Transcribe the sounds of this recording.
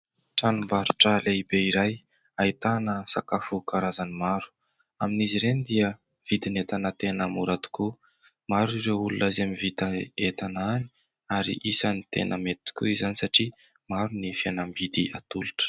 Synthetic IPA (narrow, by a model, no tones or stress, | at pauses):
ʈ͡ʂanumbaɾuʈ͡ʂaleibeiɾaj | ait̪anəsakafukaɾazanimaɾu̥ | aminiziɾenid̪iə | v̥id̪inet̪anət̪enəmuɾat̪u̥ku | maɾuiɾewulunazamivit̪aet̪anani̥ | aɾḭʔisanit̪ḛnʔəmet̪i̥kʲṵizanisaʈ͡ʂi | maɾunifianambid̪iat̪uluʈ͡ʂə̥